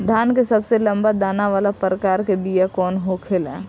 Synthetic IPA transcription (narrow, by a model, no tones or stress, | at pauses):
d̪ʱaːnkesɐbselə̃mbad̪aːnaʋaːlapɾəkaːɾkebijakɔːnɦokʰɪlɛː